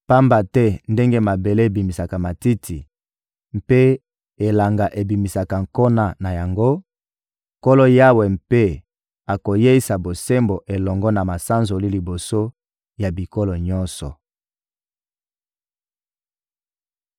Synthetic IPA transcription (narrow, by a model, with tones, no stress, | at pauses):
pa˦mba˨tɛ˦nde˦ŋɡe˦ma˨be˨le˦˨bi˨mi˨sa˨ka˨ma˨ti˦tʰi˨ | mpe˦ | e˨la˨ŋɡa˨ʔe˨bi˨mi˨sa˨ka˨ŋko˦na˦na˨ja˨ŋɡo˦ | ko˦lo˦ja˦wɛ˨mpe˦ | a˨ko˨je˦i˦sa˨bo˨se˦mbo˨ʔe˨lɔ˨ŋɡɔ˦na˨ma˨sa˦nzo˨li˦li˨bo˨so˦ | ja˨bi˨ko˦lo˨ɲɔ˦nsɔ˨